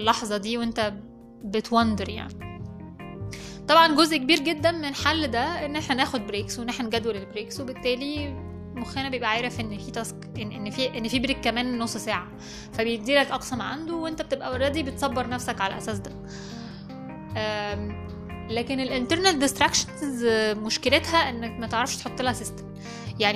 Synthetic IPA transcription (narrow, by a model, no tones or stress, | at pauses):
lːɑħzˤɑd̪iːwent̪æ | bet̪wɑnd̪eɾja̰ʕni | t̪ˤɑbʕɑnɡozʔkebiːɾɡed̪ːænmenħalːd̪æʔenːʔeħnænæːxod̪̚bɾeːkswenːeħnænɡæd̪wælelbɾeːkswebet̪ːæːli | moxjænæbejebʔæʕaːɾefʔenːfiːt̪æsk | eʔenːfiʔenːfiːbɾeːkːæmæːnːosˤːsæːʕa | fæbejed̪iːlælʔɑqsɑmʕa̰nd̪owʔent̪æb̚et̪ebʔæwɑɾːˤɑd̪ibet̪sˤɑbːeɾˤnæfsækʕalæ̰ʔæ̰sæːsd̪æ | ʔæ | læːkenelʔent̪eɾnet̪̚d̪est̪ɾækʃɑnzmoʃkelet̪hæʔenːækmæt̪eʕɾˤɑfʃt̪ħot̪ˤːelhæsest̪e̥m | jaʕni